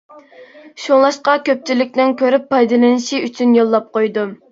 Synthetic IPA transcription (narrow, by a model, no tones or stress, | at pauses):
ʃulˠɑʃqɑkʲøp̚t͡ʃʰilɪk̚ʲnɪnkʲʰøɾypːɑjd̪ɨlˠɨnɨʃiyt͡ʃʰynjolˠːɑp̚qojd̪u